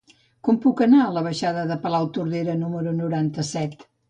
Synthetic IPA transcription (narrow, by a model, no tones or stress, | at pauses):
kɔmpukənaələβ̞əʃaðəðəpəlawt̪uɾðeɾənuməɾunuɾant̪əsɛt̪